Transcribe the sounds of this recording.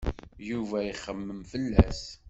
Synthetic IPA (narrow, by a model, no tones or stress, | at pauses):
juvæiχəmːəmfəlːæs